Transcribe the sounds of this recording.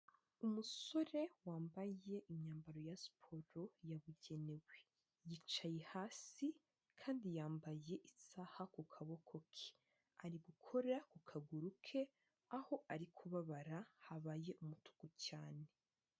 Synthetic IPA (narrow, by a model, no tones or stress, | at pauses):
umuso̞ɾe̞waːmbaje̞ʔiɲaːmbaɾo̞jasi̥pʰo̞ɾo̞jaβuɟe̞ne̞we | jit͡ʃajehaːsi | kʰaːndijaːmbaje̞ʔisahakukʰaβo̞kʰo̞kʰi̥ | aɾiɡukʰo̞ɾakukʰaɡuɾukʰe̞ | aho̞ʔaɾikʰuβaβaɾahaβaje̞ʔumutu̥kocaːne̞